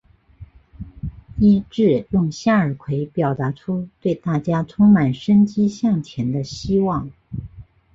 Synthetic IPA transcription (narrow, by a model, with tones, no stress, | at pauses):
i˥ʈ͡ʂɻ̩˥˩jʊ˥˧ŋɕja˥˩ə˞˨˩kʰwe˧˥ɪpjɑ˨˩ʊt̪a˧˥ʈ͡ʂʰu˥t̪we˥˧ɪt̪a˥˩t͡ɕja˥ʈ͡ʂʰʊ˥ŋma˨˩nʂə˥nt͡ɕi˥ɕjɑ˥˩ŋt͡ɕʰjɛ˧˥nd̪ə˧ɕi˥wɑ˥˩ŋ